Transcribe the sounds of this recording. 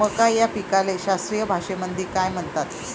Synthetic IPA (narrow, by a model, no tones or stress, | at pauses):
əkajjapikaleɕast̪ɾijəbʱaʂemənd̪ʱiːkajm̤ənt̪at̪